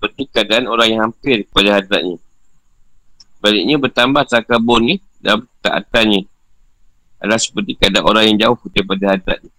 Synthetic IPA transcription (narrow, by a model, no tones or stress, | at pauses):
səpərt̪ikəadaʔanoɾaŋjaŋɦampɪrkə̥padaɦad̪ɾaʔ̚ɲa | balɪʔ̚ɲabərt̪ambaht̪akabɔni | damt̪a̰ʔa̰t̪aɲə | a̰lasə̥pərt̪ikadaʔanoɾaŋjaŋd͡ʒaʊhdaipadahad̪ɾa̰ʔ̚ɲa